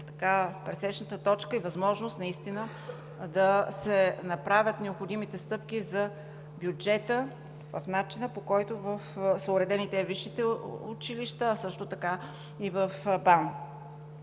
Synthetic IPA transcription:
t̪ɐ̥kapɾɛsɛʃnət̪ət̪ɔt͡ʃkəivɐzmɔʒnost̪nɐist̪inə | d̪ɐsɛnɐpɾavʲjət̪nɛopxod̪imit̪ɛst̪ɤp̚k̟izɐ | bjud͡ʒɛt̪ə | vəfnat͡ʃinəpokɔjt̪ovəfsəʊɾɛd̪ɛnit̪ɛviʃːit̪ɛʊ̰t͡ʃiliʃt̪əːsɤʃt̪ot̪ɐka | ivəfban

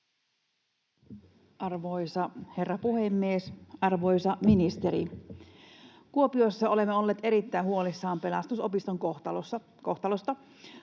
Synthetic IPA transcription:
ʔɑrʋojsɑhe̞rːɑpuhemːiesɑrʋo̞jsɑminist̪eɾḭ | kuo̞pio̞jsːɑo̞le̞mːeo̞lːeːt̪e̞ɾit̪ːæjɦuo̞lisːɑːmpe̞lɑ̰st̪uso̞pist̪oŋkot̪ɑlsːɑ | koht̪ɑlost̪ɑ

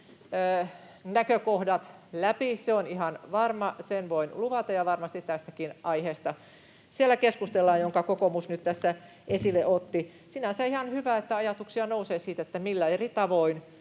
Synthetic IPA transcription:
nækøkohdɑt̪læpiseonihɑnʋɑrmɑsenʋoinluʋɑt̪ɑjɑʋɑrmɑst̪it̪t̪æst̪ækinʔɑiheːst̪ɑ | sielːˑækeskust̪elːɑːjoŋkɑkokomusnyt̪t̪æsːæ | ʔesileʔot̪ːi | sinæseihɑnhyʋæet̪ːæɑjɑt̪uksiɑnouseːsiːt̪et̪ːæmilːæerit̪ɑʋoin

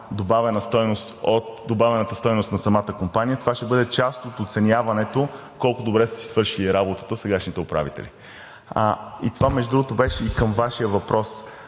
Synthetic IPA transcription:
d̪obavɛnəst̪ɔjnost̪ot̪̚d̪obavɛnət̪əst̪ɔjnost̪nɐsɐmat̪əkompanijət̪ovaʃt̪ɛbɤd̪ɛt͡ʃast̪ot̪ot̪sɛnʲjavɐnɛt̪o | kɔlˠkʊd̪obɾɛst̪si̥svɤɾʃiliɾabot̪ə̥t̪əsɛɡaʃnit̪ɛʊpɾa̰vit̪ɛ̰lḭ | ḭt̪ovamɛʒd̪ud̪ɾuɡot̪obɛʃɛikəmvaʃijəvɐpɾʔɔs

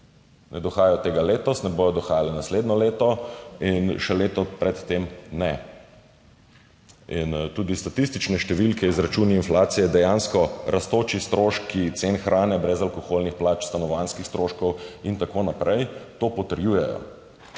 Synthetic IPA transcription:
nɛd̪ɔxaːjɛjɔt̪eːɡaleːt̪ɔst̪nɛboːjɔd̪ɔxaːjalɛnasleːd̪nɔleːt̪ɔinʃɛleːt̪ɔpɾɛt̪ːemnɛ | int̪uːd̪ist̪at̪ist̪it͡ʃnɛʃt̪ɛʋilkʰɛizɾat͡ʃuːniinflaːt̪sijɛd̪ɛjanskɔɾʔast̪oːt͡ʃist̪ɾoːʃkkʰːit̪senxɾʔaːnɛbɾɛzalkɔxolnixplaːt͡ʃst̪anɔʋanskixst̪ɾoʃkɔwint̪akonapɾɛjt̪opɔt̪əɾjujɛjɔ̰

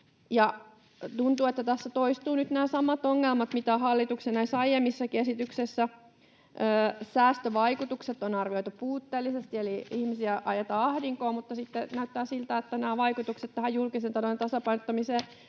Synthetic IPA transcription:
jɑ | t̪unt̪uːet̪ːæt̪æsːæt̪oist̪uːnyt̪næːsɑmːɑt̪oŋːelmɑt̪mit̪æhɑlːit̪uksenɑisɑijemːisːækesit̪yksesːæ | øːsæːst̪øʋɑikut̪ukset̪ːˑonɑrʋioit̪upuːt̪ːeːlːisest̪ieliihmisiæʔɑjet̪ɑːɑhdiŋkoːmut̪ːɑsit̪ːenæyt̪ːæːsilt̪æet̪ːænæːʋɑikut̪ukset̪t̪ːæhæjjulkisent̪ɑnont̪ɑsɑpɑinot̪ːɑmiseː

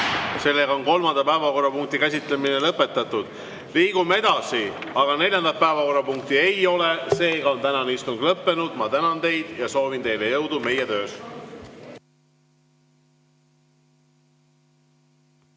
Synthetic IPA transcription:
se̞lːe̞ɡɑonko̞lmɑnd̪̥ɑpæevɑko̞rːɑpuŋk̚t̪ikæs̬ʲit̪leminelɤpːˑe̞t̪ːˑɑt̪ːˑud̪̥ | liːɡ̥umee̞d̪̥ɑsiɑɡ̥ɑne̞lʲjɑnd̪ɑpæevɑko̞rːɑpuŋk̚t̪iejo̞le̞se̞ːɡ̥ɑont̪ænɑnist̪uŋɡ̥lɤpːe̞nud̪̥mɑt̪ænɑnt̪e̞jd̪̥jɑso̞ːvint̪e̞jlejɤwd̪̥ume̞jet̪ø̞ːs

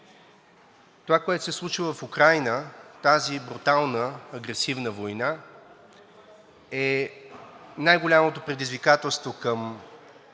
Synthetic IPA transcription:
t̪ovakoɛt̪ʊ̥sɛslˠut͡ʃivəfʊkɾajnət̪azibɾut̪alˠnəːɡɾɛsivnəvojna | ɛ | najɡolʲamot̪opɾɛd̪izvikat̪ɛlˠst̪vokəm

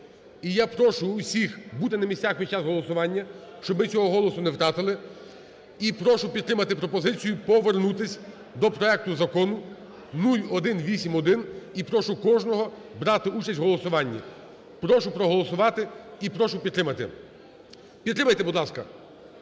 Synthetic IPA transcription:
ijapɾɔʃʊːsʲixbut̪ɪnɐmʲisʲt͡sʲaxpʲit͡ʃasɦɔlˠɔsʊʋɑnʲːɐʃt͡ʃɔbmɪt͡sʲɔɦɔɦɔlˠɔsʊnewt̪ɾɑt̪ɪlˠɪ | ipɾɔʃʊpʲid̪t̪ːɾɪmɐt̪ɪpɾɔpɔzɪt͡sʲijʊpɔʋernut̪ɪsʲ | d̪ɔpɾɔɛk̚t̪ʊzɐkɔnʊ | nulʲɔd̪ɪnʋʲisʲimɔd̪ɪnipɾɔʃʊkɔʒnɔɦɔ | bɾɑt̪ɪut͡ʃɐsʲɦɔlˠɔsʊʋɑnʲːḭ | pɾɔʃʊpɾɔɦɔlˠɔsʊʋɑt̪ɪipɾɔʃʊpʲid̪t̪ːɾɪmɐt̪ɪ̰ | pʲid̪ɾɪmɐjt̪ɛbud̪lˠɑskɐ

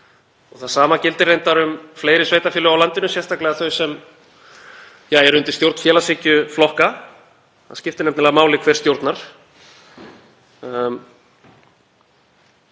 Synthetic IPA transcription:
ɔɣθaðsaːmacɪlt̪ɪrejnt̪aɾʏmfleːjɾɪsveːjt̪afɪːlʏawlant̪ɪnʏsjɛr̥st̪ʰaklɛɣaθœɥsɛm | jaːɛɾʏnt̪ɪst̪jowɾt̪n̥fjɛːlasɪːcʏflɔhka | θascɪft̪ɪnɛmt̪nɪlɛɣamaːwlɪkʰvɛɾ̥st̪jowɾt̪naɾ̥

